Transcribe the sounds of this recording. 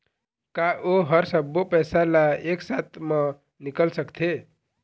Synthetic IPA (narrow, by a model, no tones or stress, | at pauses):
kaʔoɦʌɾsəbːopəjsalaeksat̪ma | nikəlsəkt̪ʰe